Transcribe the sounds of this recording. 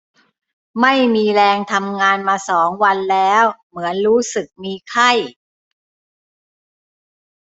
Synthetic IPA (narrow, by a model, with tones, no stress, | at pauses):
ma˥˩jmiː˧ɾɛː˧ŋt̪ʰa˧mŋaː˧nmaː˧sɔː˩˦ŋwa˧nlɛː˦˥wmɯ˩˦ənɾuː˦˥sɯ˨˩k̚miː˧kʰa˥˩j